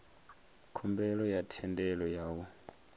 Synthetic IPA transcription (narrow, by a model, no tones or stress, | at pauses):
kʰɔmbɛlɔjatʰɛndɛlɔjaːwɔ